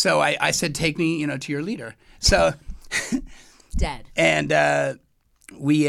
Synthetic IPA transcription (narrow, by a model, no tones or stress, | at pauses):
soʊaɪʔa̰ɪsɛd̚tʰeɪk̚mijɨñoʊɾɨjə˞liɾə˞ | soʊ | d̥ɛd̥ɨ̃nʌ | wi